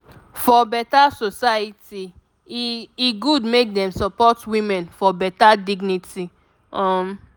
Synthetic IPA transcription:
fɔbɛtasosajiti | iɡudmek̚dɛ̃msɔpɔtwĩmɛ̃nfɔbɛtadiɡniti | ɔm

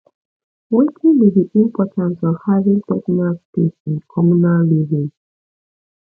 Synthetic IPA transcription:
wekʰĩŋdidiʔĩmpʰɔtãnsɔv̥havĩŋtɛknalspesĩnkʰɔmunallivĩŋ

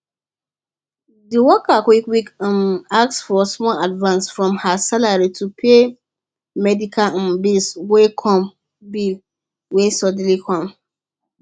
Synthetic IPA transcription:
diwɔkakwikwikənak̚sfɔsmɔladvãnsfɹɔ̃mhasalaɹitupʰe | mɛdikʰãn̩biswekʰɔ̃m | bil | wesɔdlikʰɔ̃m

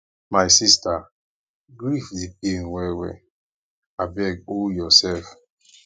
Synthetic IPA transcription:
majsista | ɡɹifdep̚enwɛwɛ̰ | abɛɡ̚oljɔsɛlf

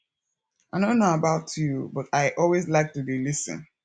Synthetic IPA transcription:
aɪdõʊ̃nːoʊəbaʊtʰjubʌtaɪʔɔlˠwezlaɪk̚tubilɪsə̰̃n

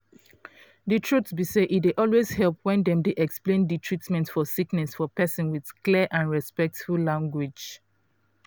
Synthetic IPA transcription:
dɨtʰɹutsbiseʔitdeʔɔlwez̥hɛlˠp̚wɛ̃ndɛ̃mdeʔɛksplẽnditʰɹ̥itmɛ̃ntfɔsiknɛsfɔpɛsɔ̃nwið̥kliəʔãnɹɛspɛk̚tfulãŋɡwɪd͡ʒ

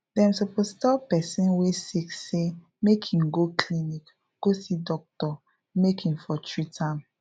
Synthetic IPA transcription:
dɛ̃msopostɔpɛsĩnwesikse | mekʰĩmɡokʰlinik | ɡ̥osidɔk̚tɔ | mekĩmfɔt͡ʃɹitʰãm

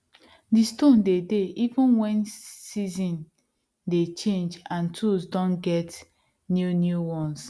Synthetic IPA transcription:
distõndedeʔivũnwɛ̃nsizĩn | det͡ʃẽnd͡ʒãntʰusdɔ̃nɡɛt | njunjuwɔ̃ns

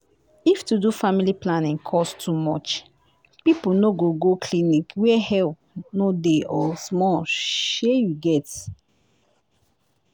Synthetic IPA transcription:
iftudufamiliplãnĩŋkʰɔstʰumɔt͡ʃ | pipunoɡoɡokʰlinikwɛhɛlp̚nodeɔsmɔʃejuɡɛt

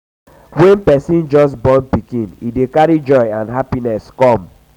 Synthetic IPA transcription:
wɛ̃npɛsĩnd͡ʒɔs̬bɔ̃npikĩnidekaɹid͡ʒɔɪãnɦapinɛskɔ̃m

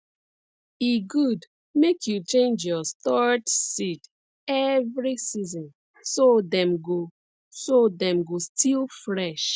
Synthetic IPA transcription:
iɡud | mekʰjut͡ʃẽnd͡ʒjɔstɔɹtsit | ɛvɹisizɔ̃n | sodɛ̃mɡo | sodɛ̃mɡostʰilˠfɹɛʃ

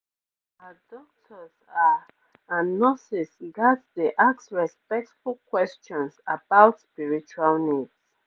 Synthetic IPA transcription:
adɔk̚tʰɔza | ãnnːɔsisɡadsdeʔaksɹɛspɛk̚tfulˠkwɛst͡ʃɔ̃nsa̰baʊtspiɹit͡ʃualnids

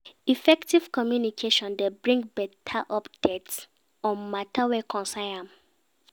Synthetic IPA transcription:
ifɛktiv̥kɔmjunikʰeʃɔ̃ndebɹĩŋɡbɛtʰaʔɔpd̥ɛts | ɔ̃nmatʰawɛkʰɔ̃nsajãm

